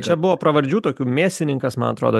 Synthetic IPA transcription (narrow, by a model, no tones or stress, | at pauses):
t͡ʃʲɛbʊʋoːpɾɐʋɐɾʲd͡ʒʲuːt̪oːkʲuːmʲeːsʲt̪ʲɪnʲɪŋkɐsmɐ̰nɐt̪ɾo̰ːd̪oː